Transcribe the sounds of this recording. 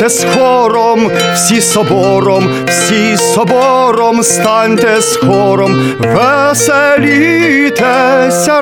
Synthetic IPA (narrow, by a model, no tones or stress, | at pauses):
t̪ɛskɔɾɔm | fsʲisɔbɔɾɔm | fsʲi | sɔbɔɾɔmst̪ɑnʲt̪ɛskʰɔɾɔm | vɛsɛlʲyt̪ʰɛ | sʲa